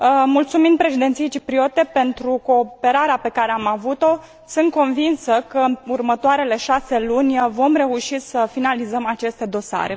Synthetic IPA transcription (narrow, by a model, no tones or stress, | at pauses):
mult̪suminpɾe̞ʃid̪et̪sijejt͡ʃipɾio̞t̪e̞pe̞nt̪ɾuko̞ːpe̞ɾaɾeape̞kaɾe̞amavut̪o̞ | sɨnt̪̚ko̞nvinsəkəurmət̪oaɾe̞le̞ʃase̞lunʲvo̞mre̞uʃisəfinalizəmat͡ʃe̞st̪e̞d̪o̞sa̰ɾe̞